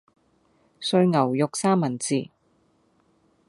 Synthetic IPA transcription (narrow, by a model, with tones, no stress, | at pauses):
sɵ˧ɥŋɐ˨˩wjʊ˨k̚saː˥mɐ˨˩nt͡siː˨˩